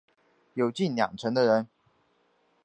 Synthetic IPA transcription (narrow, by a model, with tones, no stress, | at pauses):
jo˨ʊt͡ɕi˥˨nljɑ̰˨˩ŋʈ͡ʂʰə˧˦˥ŋd̪ə˧ɻə˧˦n